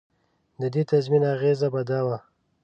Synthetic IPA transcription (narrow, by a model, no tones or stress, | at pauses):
d̪əd̪et̪azminaɣezabad̪awa